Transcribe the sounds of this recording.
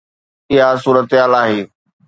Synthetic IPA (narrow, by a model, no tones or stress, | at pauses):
ɪɦasuːɾət̪ɪɦaːlaːɦeː